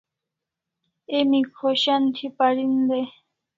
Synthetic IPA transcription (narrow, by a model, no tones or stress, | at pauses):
emikʰoʃant̪ʰipaɽind̪e